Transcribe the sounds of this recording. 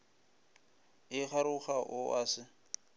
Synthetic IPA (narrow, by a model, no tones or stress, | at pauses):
ɪχaɾʊχaʔʊʔasɪ